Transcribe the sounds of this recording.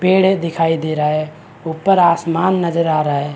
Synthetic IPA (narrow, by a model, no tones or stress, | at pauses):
peːɽ̤d̪ɪkʰaːid̪eːɾaːɦɛ | ʊpːəɾaːsmaːnːəd͡ʒəɾaːɾaːɦɛ